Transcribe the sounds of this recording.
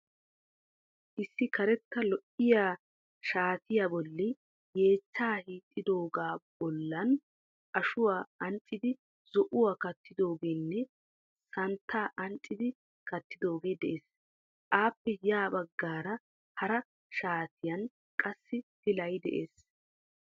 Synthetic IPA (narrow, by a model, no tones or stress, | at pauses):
ʔɪsːɪkɐɾɛt̪ːɐlɔʔɪjaː | ʃaːt̪ɪjaːbɔlːɪ | jeːt͡ʃːaːhiːt̪ʼːɪd̪o̞ːɡaːb̥ɔlːɐn | ʔɐʃʊwaːɐnt͡ʃʼːɪd̪ɪ | zɔʔʊwaːkɐt̪ːɪd̪o̞ːɡeːnːɛ | sɐnt̪ʰːaːʔɐnt͡ʃʼːɪd̪ɪ | kɐt̪ːɪd̪o̞ːɡeːd̪ɛʔeːs | ʔaːpːɛjaːbɐɡːaːɾɐ | hɐɾɐ | ʃaːt̪ʰɪjɐn | kʼɐsːɪhɪlɐjd̪ɛ̰ʔeːs